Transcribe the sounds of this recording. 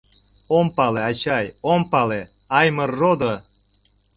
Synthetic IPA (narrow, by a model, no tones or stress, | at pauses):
ompɑleɑt͡ɕɑjompɑle | ɑjmərːod̪o